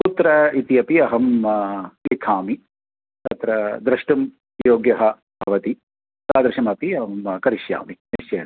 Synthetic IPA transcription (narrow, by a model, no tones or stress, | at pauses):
put̪ɾɐit̪ijɐpiɐɦɐm | likʰaːmi | t̪ɐt̪ɾɐd̪ɾɐʂʈum | joːɡjɐɦɐ | bʱɐʋɐt̪i | saːd̪ɾɐʃɐmɐpiɐmkɐɾiʃja̰ːminiʃjɐjɐ